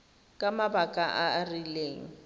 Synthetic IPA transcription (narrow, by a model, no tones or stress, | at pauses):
kʼamabakʼaʔarileːŋ̩